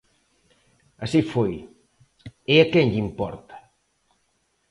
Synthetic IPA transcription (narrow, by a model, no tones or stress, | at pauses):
ɐsifoj | eakɛŋʎimpɔ̰ɾt̪ɐ̥